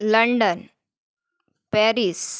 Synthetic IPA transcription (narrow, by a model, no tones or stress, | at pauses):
lɐɳɖɐn | peːɾis